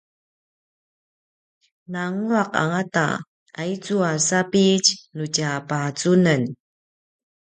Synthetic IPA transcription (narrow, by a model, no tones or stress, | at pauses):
naŋuɾaqa̰ŋata̰ | ait͡suasapicnucapat͡sunən